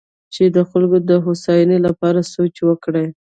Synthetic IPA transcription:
t͡ʃed̪əxalɡod̪əɦosɑjnelapɑɾasot͡ʃwəkɽaj

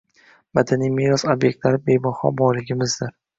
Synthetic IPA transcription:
mad̪anijmijɾɒsobje̞k̚ʲt̪laɾɪbe̞jbɒhɒ̰bɒɾlɪɡʲɪmɪzd̪ɪɾ

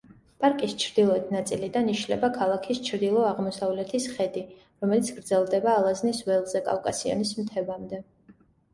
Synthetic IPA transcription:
pʼaɾkʼist͡ʃʰɾd̪ilˠɔɛt̪ʰnat̪sʼilid̪aniʃlɛ̰bakʰalˠakʰist͡ʃʰɾd̪ilˠɔaʁmɔsavlɛt̪ʰisχɛd̪i | ɾɔmɛlit̪sʰɡɾd̪zɛlˠd̪ɛbaːlˠaznisvɛlˠzɛkʼa̰vkʼasiɔ̰nism̩t̪ʰɛvamd̪ɛ

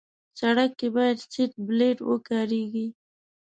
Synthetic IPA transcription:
saɽakːebɑjad̪siʈ̚bleʈwəkɑɾeɡi

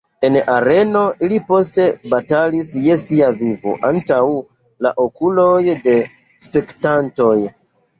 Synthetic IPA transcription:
e̞naɾe̞no̞ʔilipo̞s̬te̞batalisje̞siavivo̰ʔantaw | laʔokulojde̞ | spe̞ktanto̞j

